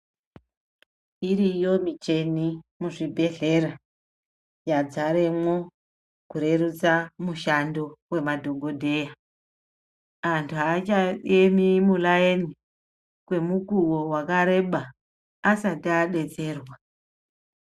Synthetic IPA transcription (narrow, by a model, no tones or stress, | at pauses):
iɾijo̞mit͡ʃe̞nimuʐibʱe̞ɮe̞ɾa | jad͡zaɾe̞mwo̞ | kuɾe̞ɾut͡samuʃando̞we̞madʱo̞ɡo̞dʱe̞ja | antʰuat͡ʃaemimulaeni | kwe̞mukuwo̞wakaɾe̞ɓaː | satiaɗe̞t͡se̞ːrwa